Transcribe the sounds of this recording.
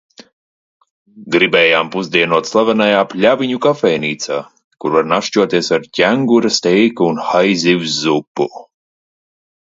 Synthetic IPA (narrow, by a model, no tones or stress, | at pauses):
ɡɾibɛːjaːmpuzd̪iɛnuɔt̪slˠavanajaːpʲlʲaviɲukafɛjnʲiːt̪saː | kuɾvaɾnaʃt͡ʃuɔt̪iɛsaɾcʲæŋɡuɾast̪ɛjkuunxajzʲiwzːupːu